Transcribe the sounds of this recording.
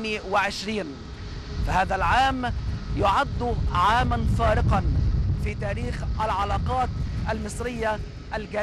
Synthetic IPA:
miwɪʕɪʃɾiːn | fahaːðalʕaːmjʊʕad̪ːʕaːmanfɑːɾɪqɑnfiːt̪aːɾiːxʔalʕɑlɑːqɑːt̪ʔalmɪsˤɾɪjːa | ʔalɡaː

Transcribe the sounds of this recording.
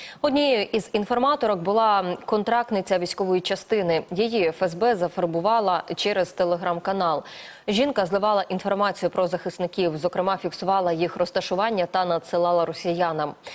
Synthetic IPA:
ɔdʲnʲiʔizinfɔrmɑt̪ɔɾɔkbʊlˠɑkɔnt̪ɾɑk̚t̪nɪt͡sʲɐʋʲijsʲkɔʋɔjit͡ʃɐst̪ɪnɪjijiɛfɛzbɛzɐfɔrbʊʋɑlˠɐt͡ʃɛɾɛzt̪elˠeɦɾɑmkɐnɑlˠ | ʒʲinkɐzlˠɪʋɑlˠɐʔin̪fɔrmɑt͡sʲijʊpɾɔzɐxɪsnɪkʲiwzɔkɾemɑfʲiksʊʋɑlˠɐjixɾɔst̪ɐʃʊʋɑnʲːɐt̪ɐnɐd̪sɪlˠɑlˠɐɾɔsʲijanɐm

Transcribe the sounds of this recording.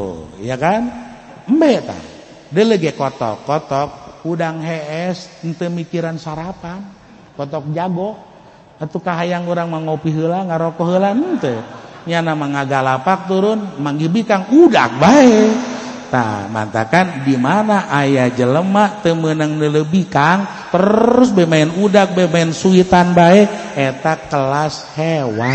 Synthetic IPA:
jakan | m̩bɛt̪a̰ | dələɡɛkɔt̪ɔ̰kːɔt̪ɔk̚udaŋɦɛɛsnt̪əmikiɾansaɾapan | kɔt̪ɔk̚d͡ʒaɡɔ | at̪ukaɦajaŋuɾaŋmaŋopiɦəlaŋaɾɔkɔɦəlannt̪əɲanamaŋaɡalapak̚t̪uɾʊnmaŋɡibikaŋuda̰k̚bae | t̪a̰ma̰nt̪a̰kandimanaʔajad͡ʒələmat̪əmənəŋnələbikaŋ | t̪əɾʊsbemaɛnudak̚bemaɛnsuit̪anbaɛet̪akəlas | hewa

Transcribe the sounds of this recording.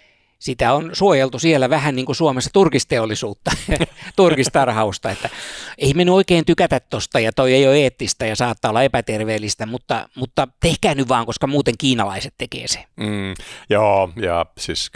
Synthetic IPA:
sit̪æonsuojelt̪usielæʋæhænniːŋkusuomesːɑ̥t̪urkist̪eolːˑisuːt̪ːɑt̪urkist̪ɑrhɑust̪ɑet̪ːæeimenyoikeːnt̪ykæt̪æt̪t̪ost̪ɑjɑt̪oieijoeːt̪ːist̪æjɑsɑːt̪ːɑolːɑepæt̪erʋeːlːˑist̪æmut̪ːɑ̰mut̪ːɑt̪ehkæːhnyʋʋɑːŋkoskɑmuːt̪eŋkiːnɑlɑiset̪t̪ekḛːse̥m̩ːjoːjɑ̰sis

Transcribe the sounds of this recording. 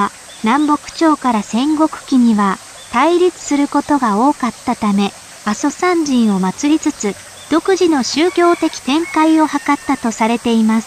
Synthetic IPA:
nãmbo̞kɯ̟̥t͡ɕo̞ːkaɾasẽ̞ŋɡo̞kɯ̟̥kʲiɲ̟iβa | t̪aiɾʲit͡sɨ̥sɨɾɯ̟ko̞t̪o̞ɡao̞ːkat̪ːat̪ame̞ | aso̞sãɲd͡ʑĩɰ̃o̞mat͡sɨɾʲit͡sɨt͡sɨ | d̪̥o̞kɯ̟ʑino̞ɕɨːkʲo̞ːt̪e̞kʲi̥t̪ẽ̞ŋkaio̞hakat̪ːat̪o̞saɾe̞t̪e̞imasɨ̥

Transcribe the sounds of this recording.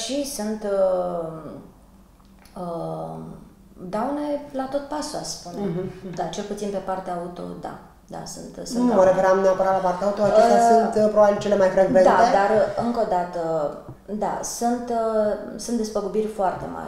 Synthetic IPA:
ʃisunt̪ə | ə | d̪aune̞lat̪o̞t̪̚pasuasspund̪at͡ʃe̞lput̪sinpe̞part̪eaut̪o̞̰d̪a̰ | d̪a̰sunt̪sɨnməɾekɾamneapəɾat̪lapart̪eaut̪oaast̪jasunt̪pɾobabilt͡ʃe̞le̞majfɾeɡɾed̪aed̪arɨŋko̞d̪at̪ə | d̪a̰sunt̪sunt̪̚d̪espəɡubirʲfoart̪e̞̰ma̰ɾʲ

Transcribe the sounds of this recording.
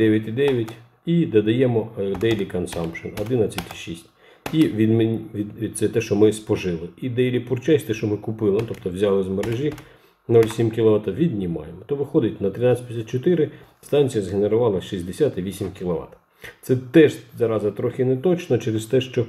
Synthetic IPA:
d̪ɛʋʲjɐtʲid̪ɛʋʲjɐtʲ | id̪ɐd̪ɐjɛmɔd̪ɛjlʲikɐnsɑmpʃɔnɔd̪ɪnɐt͡sʲːɐtʲi̥ʃisʲtʲ | iʋʲid̪mʲid̪sɛt̪ɛʃt͡ʃɔmɪspɔʒɪlˠɪid̪ɛjlʲipʊrt͡ʃɛsʲt̪ɛʃt͡ʃɔmɪkʊpɪlˠɐt̪ɔp̚t̪ɔwzʲalˠɪzmɐɾeʒʲi | nɔlʲsʲimkʲilˠɔʋɑt̪ɐʋʲid̪ʲnʲimɑ̰jemɔt̪ɔʋɪxɔd̪ɪtʲnɐt̪ɾɪnɑt͡sʲsʲɛtʲpjʲsʲat̪t͡ʃɔt̪ɪɾɪst̪ɑnʲt͡sʲijɐzɦeneɾʊʋɑlˠɐʃizʲd̪esʲat̪iʋʲisʲimkʲilˠɔʋɑ̰t̪ɐ̥ | t̪sɛt̪ɛʒzɐɾɑzɐt̪ɾɔxɪnɛt̪ɔt͡ʃnɔt͡ʃɛɾɪst̪ɛʃt͡ʃɔ

